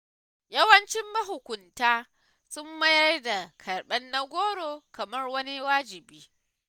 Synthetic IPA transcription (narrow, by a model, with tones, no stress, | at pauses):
jɐ˦wɐ˦nt͡ʃɪ˦mːɐ˦ɦʊ˨kʷʊ˨ntaː˦ | sʊ˦mːɐ˦jɐ˦rda˨kʰɐ˨rɓɛ˦nːa˦ɡʷoː˦ɽoː˨kɐ˨mɐ˦rwɐ˦ni˦waː˦d͡ʒɪ˨biː˦